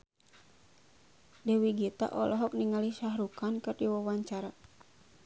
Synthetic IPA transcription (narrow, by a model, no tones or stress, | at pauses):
dɛwiɡit̪a̰ʔɔlɔɦɔk̚niŋaliʃaɦɾukankɨrdiwawaɲt͡ʃaɾa